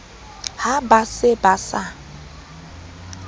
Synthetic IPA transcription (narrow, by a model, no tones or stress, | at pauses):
habasɪbasa